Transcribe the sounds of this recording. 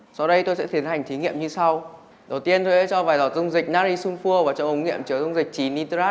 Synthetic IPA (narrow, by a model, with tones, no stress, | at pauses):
sɔ˧wɗə˧jt̪o˧jsɛ̰˧˥t̪i˨˦ənha˨˩ŋ̟t̪ʰi˨˦ŋḭ˧˨əmɲɨ˧sa˧w | ɗə˨˩wt̪i˧ənt̪o˧jsɛ̰˧˥t͡ɕɔ˧vaː˨˩jzɔ˨˩t̚zʊ˧ŋ͡mzï˨˩k̟̚naː˧ɾi˧su˧ŋfu˧əvaː˨˩t͡ɕɔ˧ʔə˨˦ŋ͡mŋḭ˧˨əmt͡ɕɨ˨˩˦zʊ˧wŋ͡mzï˨˩k̟̚t͡ɕi˨˩ni˧t̪aː˦˥